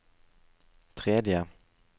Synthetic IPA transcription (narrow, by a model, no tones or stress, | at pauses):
t̪ʰɾeːd̪jə